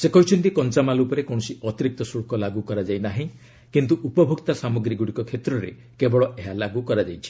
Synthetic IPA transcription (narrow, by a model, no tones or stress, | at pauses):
sekɔɦut͡ʃʰɔnt̪ikɔnt͡ʃamalupɔɾekow̃ɔsiɔt̪iɾik̚t̪ɔsuɽkɔlaɡukɔɾad͡ʒajnaɦĩ | kint̪uʔupɔbʱukt̪asamuɡɾiɡuɽikɔkʰet̪ɾɔɾḛ | kebɔɭɔʔeɦalaɡukɔɾad͡ʒajt͡ʃʰi̥